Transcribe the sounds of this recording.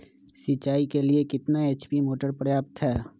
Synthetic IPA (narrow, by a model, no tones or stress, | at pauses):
sit͡ʃaːikeliekɪt̪naeːt͡ʃpimoːʈəɾpɾəjaːp̚t̪ɦɛː